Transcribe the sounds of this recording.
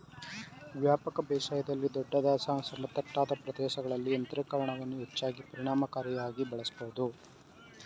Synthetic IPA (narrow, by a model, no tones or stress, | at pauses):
ʋjaːpɐkɐbɛːʂaːjɐd̪ɐlːid̪ɔɖːɐd̪jaːsaːsɐmɐt̪ːɐʈːaːd̪ɐpɾɐd̪ɛːʃɐɡɐɭɐlːiɐnt̪ɐɾɐkɐɾɐɳɐʋɐnːuet͡ʃːaːɡipɐɾiɳaːmɐkaːɾjɐjaːɡibɐɭɐsboʋud̪u